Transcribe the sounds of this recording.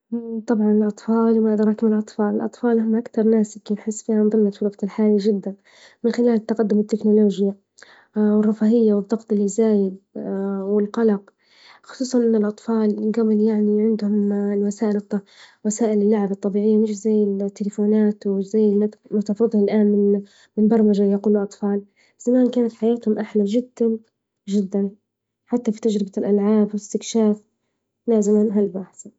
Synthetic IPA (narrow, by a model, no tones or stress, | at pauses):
t̪ˤɑbʕɑnɪlʔɑt̪ˤfɑːlwmaʔd̪ɾˤɑkmɪllʔɑt̪ˤfɑːlɪlʔɑ̰t̪ˤfɑːlhʊmʔakt̪ɑɾˤnaːsɪkːibħɪsːfiːhanðˤɨmːat̪fʊlɑqt̪ɪlħaːlaʒɪd̪ːan | mɪnxɪlaːlɪt̪ːaqad̪ːʊmɪt̪ːɪknʊloːʒja | wɪrˤːɑfaːhɪjːawɨðˤːɑɣt̪ˤɪlːizaːjɪd̪wɪlqɑlɑq | xʊ̥sˤuːsˤɑnʔɪnːɪlʔɑt̪ˤfɑːlɡabɪljaʕniʕɪnd̪hʊmlwasaːʔɪlˤːwasaːʔɪlɪlːaʕabɑt̪ˤːɑbiːʕɪjːamɪʃzajːɪlt̪ːɪlɪfuːnaːt̪wɪzajːɪmamat̪ɑʕfɨðˤhalʔaːnmɪn | mɪnbɑɾˤmad͡ʒajaquːluʔɑt̪ˤfɑːl | z̥amaːnkaːnat̪ħajaːt̪hʊmʔaħlaʒɪd̪ːan | ʒɪd̪ːan | ħat̪ːafit̪ad͡ʒɾɪbalʔalʕaːbwɪst̪ɪkʃaːf | laːzamanɦalbaħθa